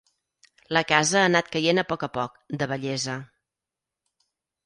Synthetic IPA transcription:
ləkazəəːnat̪̚kəjenəpɔkəpɔk̚d̪əβəʎɛzə

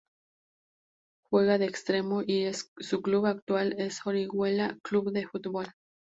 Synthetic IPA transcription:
xwe̞ɣaðeːkst̪ɾemoʔiessukluβak̚t̪walesxoɾiɣwelakluβðefut̪βol

